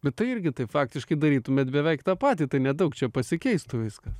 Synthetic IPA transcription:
bʲɛt̪t̪ːɐɪɪɾʲɡʲɪt̪ɐɪpfɑːk̚t̪ʲɪʃkɐɪd̪ɐɾʲiːt̪ʊmʲɛt̪bʲɛʋʲɛɪkt̪ɑːpɑːt̪ʲiːt̪ɐɪnʲɛd̪ɐʊkt͡ʃʲɛpɐsʲɪkʲɛɪst̪ʊʋʲɪskɐ

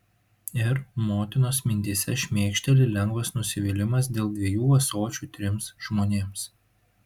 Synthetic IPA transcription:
ɪɾmoːt̪ʲɪnoːsmʲɪnʲt̪ʲiːsʲɛʃʲmʲeːkʃʲt̪ʲɛlʲɪlʲɛŋɡʋɐsnʊsʲɪʋʲiːlʲɪmɐs̬d̪ʲeːlˠd̪ʲʋʲɛjuːʋɐsoːt͡ʃʲuːt̪ʲɾʲɪmsʒ̥moːnʲeːms

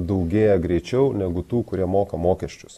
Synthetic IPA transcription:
d̪ɐʊɡʲeːjɛɡɾʲɛɪt͡ʃʲɛʊnʲɛɡʊt̪uːkʊɾʲiɛmoːkɐmoːkʲɛʃʲt͡ʃʲʊ̥s

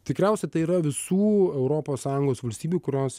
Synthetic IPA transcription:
t̪ʲɪkɾʲæˑʊsʲɛt̪ɐɪiːɾɐʋʲɪsuːɛʊɾoːpoːssɑːjʊŋɡoːsʋɐlʲsʲt̪ʲiːbʲuːkʊɾʲoːs

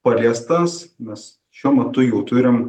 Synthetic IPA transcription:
pɐlʲiɛst̪ɐsmʲɛs | ʃʲuɔmʲɛt̪ʊjɛʊt̪ʊɾʲɪm

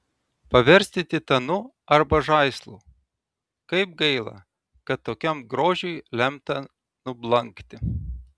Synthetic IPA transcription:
pɐʋʲɛɾʲsʲt̪ʲɪt̪ʲɪt̪ɐnʊ | ɐɾbɐʒɐɪslˠṵː | kɐɪp̚ɡɐɪlˠɐ̰ | kɐt̪ːoːkʲɛmɡɾoːʒʲʊɪlʲɛmt̪ɐ | nʊblˠɐŋkt̪ʲɪ

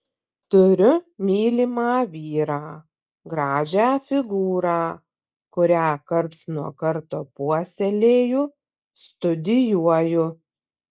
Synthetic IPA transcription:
t̪ʊɾʲʊmʲiːlʲimɑːʋʲiːɾɑː | ɡɾɑːʒʲæːfʲɪɡuːɾɑː | kʊɾʲæːkɐɾt̪snuɔkɐɾt̪oːpuɔsʲɛlʲeːjʊː | st̪ʊd̪ʲɪjuɔjʊ

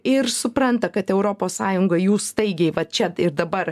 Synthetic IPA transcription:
ɪɾsʊpɾɐnt̪ɐkɐt̪ɛʊɾoːpoːssɑːjʊŋɡɐjuːsst̪ɐɪɡʲɛɪʋɐtt͡ʃʲɛɪɾd̪ɐbɐɾ

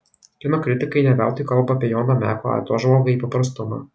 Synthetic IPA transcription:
kʲɪnoːkʲɾʲɪt̪ʲɪkɐɪnʲɛbʲælˠt̪ojkɐlˠbɐɐpʲɛjoːnoːmʲæːkoɐ̰ːt̪oːʒmoːɡɐiːpɐpɾɐst̪ʊmɑ̰ː

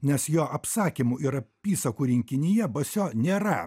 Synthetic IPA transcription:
nʲɛsjoːʔɐpsɑːkʲimuɪɾɐpʲiːsɐkuːɾʲɪŋʲkʲɪnʲɪjɛbɐsʲoːnʲeːɾɐ

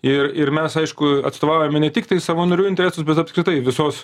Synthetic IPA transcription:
ɪrɪrmʲɛsɐɪʃkʊɐ̰t̪st̪oːʋɑʊjoːmʲɛnʲɛt̪ʲɪkt̪ɐɪsɑʋoːnoɾʲuːɪnʲt̪ʲɛɾʲæːsʊsbʲɛt̪ɐpskɾʲɪt̪ɐɪʋʲɪsoːs

